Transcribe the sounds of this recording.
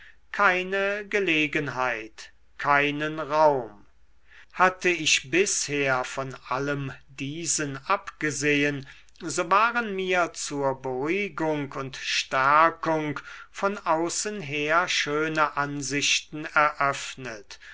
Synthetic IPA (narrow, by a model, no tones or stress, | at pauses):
kʰaɪnəɡəleːɡənɦaɪt | kʰaɪnənʁaʊm | hatəɪʃbɪsheːɐfɔnaləmdiːzənapɡ̥əzejən | zoːvaːʁənmiːɐt͡suːɐbəʁuɡʊŋkʊntʃtæɐkʊŋkfɔnʔaʊsənɦeːɐʃøːnəʔanzɪʃtn̩ɛɐʔœfnət